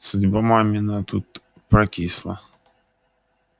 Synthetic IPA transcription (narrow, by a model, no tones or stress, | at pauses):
sʊdʲbamamʲinat̪ut̪ | pɾɐkʲislˠɐ̰